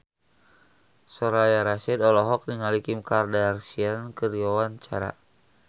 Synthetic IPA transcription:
sɔɾajaɾasɛdɔlɔɦɔk̚niŋalikimkardarsiankəriɔwant͡ʃaɾa̰

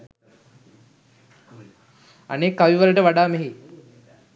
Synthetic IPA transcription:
a̰neːkːaʋiʋaləʈəʋaɖaːmeɦi

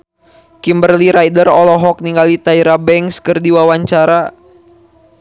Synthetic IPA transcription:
kimbərliɾajdərɔlɔɦɔk̚niŋɡalit̪aiɾabɛŋkskərdiwawaɲt͡ʃaɾa

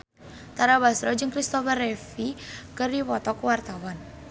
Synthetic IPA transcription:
t̪aɾabasɾɔd͡ʒɨŋkɾist̪ɔfərefikəripɔt̪ɔkwart̪awan

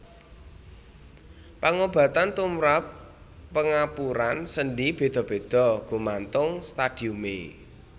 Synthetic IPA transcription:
paŋob̥ä̤t̪ant̪umɾapː | əŋapuɾansənɖib̥e̤d̪̥ɔ̤b̥e̤d̪̥ɔ̤ɡ̥ṳmant̪ʊŋst̪ad̥iumḛ

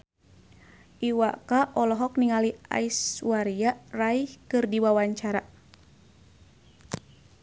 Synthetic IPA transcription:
ʔiwakaʔɔlɔɦɔk̚niŋalia̰iswaɾiaraihkɨrdiwawaɲt͡ʃaɾa

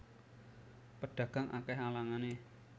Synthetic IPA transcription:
pəɖ̥ä̤ɡ̥a̤ŋʔa̰kɛɦalaŋane

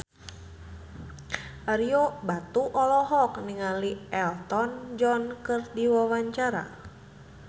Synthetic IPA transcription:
ʔaɾiobat̪uʔɔlɔɦɔkniŋaliɛlt̪ɔnd͡ʒɔnkɨrdiwawaɲt͡ʃaɾa̰

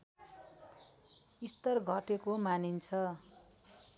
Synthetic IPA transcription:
ist̪ʌrɡʱʌʈekomanint͡sʰʌ

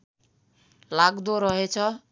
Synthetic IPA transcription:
laɡd̪oɾʌɦet͡sʰʌ

